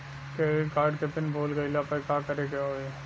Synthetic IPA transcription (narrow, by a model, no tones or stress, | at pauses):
kekaːɾɖkepɪnbʱoːlɡɐilapɐkaːkɐɾekjaɦoe